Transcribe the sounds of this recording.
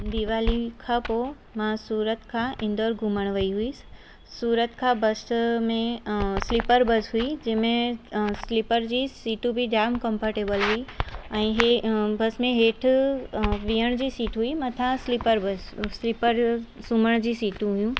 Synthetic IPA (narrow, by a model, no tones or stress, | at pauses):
d̪iʋaːlikʰãpo | mãsuːɾət̪kʰãʔɪ̃nd̪oːɾɡʱuməɽ̃ʋəiɦui | suːɾət̪kʰãbəsmẽslɪpəɾbəsɦuid͡ʑẽːmẽslɪpəɾd͡ʑiːsiːʈũbʱiɖaːmkə̃mpəɾʈeːbəlɦuiɛ̃ĩɦebəsmẽɦeːʈʰ | ʋiːəɽ̃d͡ʑiːsiːʈɦuimət̪ʰãslɪpəɾbəsslɪpəɾsuməɽ̃d͡ʑiːsiːʈũɦʊjũ